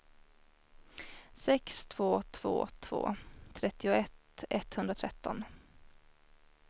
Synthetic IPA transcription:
sɛkst̪ʰv̥oːt̪ʰv̥o̰ːt̪ʰv̥o̰ːt̪ʰɾɛt̪ːɪʊɛt̪ | ɛt̪ːhɵnd̪ɾat̪ʰɾɛt̪ːɔ̰n

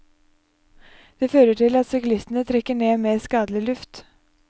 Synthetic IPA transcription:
d̪̥eːføːɾəʈɪlɑt̪sɪklɪst̪ənət̪ʰɾɛkːəɳeːmeːskɑːd̪lɪlʉft̪

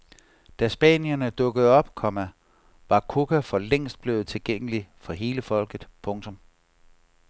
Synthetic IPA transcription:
d̥æsb̥ɛ̰ːnjɐnəd̥ɔ̽ɡ̥əð̞̩ˠɒ̽b̥kʰɒ̽mæ | ʋɑ̈kʰokʰæfɒ̽leŋ̰sd̥̚b̥le̝ːð̞̩ˠt͡sʰe̝lɡ̥eŋ̰əlifɒ̽ɦe̝ːləfɒ̽l̰ɡ̥ð̩ˠpʰɔ̽ŋt͡sʰɔ̽m

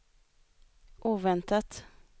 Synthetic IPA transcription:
ʔuːvɛnt̪at̪

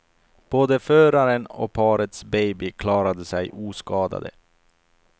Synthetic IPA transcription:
b̥oːd̪əføːɾaɾənɔ̰pʰɑːɾət̪sbɛjbɪkʰlɑːɾad̪əsɛjʔuːskɑːd̪a̰d̪ə̰

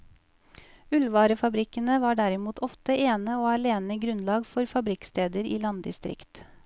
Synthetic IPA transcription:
ʉlʋɑːɾəfɑbɾɪkənəʋɑːɖæɾɪmuːt̪ʰɔft̪əʔeːnəoːɑɭeːnəɡɾʉnlɑːɡfɔɾfɑbɾɪkst̪eːd̪əɾḭːlɑnd̪ɪ̰st̪ɾɪ̰kt̪

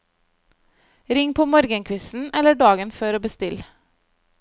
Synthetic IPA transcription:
ɾɪŋpʰoːmɔɾɡənkʰʋɪsn̩ɛləɖɑːɡənføːɾoːbəst̪ɪl

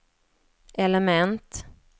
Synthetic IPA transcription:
ʔɛləmɛnt̪

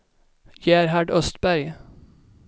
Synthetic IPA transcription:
jæːɾhæɖœst̪bæɾɡ

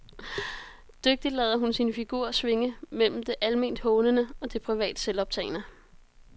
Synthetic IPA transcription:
d̥øɡ̥̚d̥id̥lɛːðˠɐɦunsinəfiɡ̥uːɐsʋe̝ŋəmel̰m̩d̥e̝ʔælme̝n̰d̥hɔ̽ːnənəɒ̽d̥e̝pʰʁiʋɛ̰ːd̥əselɒ̽b̥t͡sʰɛ̰ɪnə

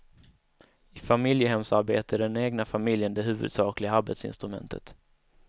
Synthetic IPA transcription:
ɪfamɪljəɦɛmsaɾbeːt̪əɖɛneːɡnafamɪljənd̪ɛɦʉ̟ːvɵ̰d̪sɑːklɪɡaaɾbet̪sɪ̰nst̪ɾɵmɛ̰nt̪ʰə̰t̪

